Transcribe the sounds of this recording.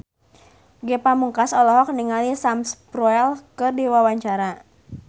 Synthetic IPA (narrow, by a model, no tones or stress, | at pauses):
ɡɛpamuŋkasɔlɔɦɔk̚niŋalisamspɾɔɛlkɨrdiwawaɲt͡ʃaɾa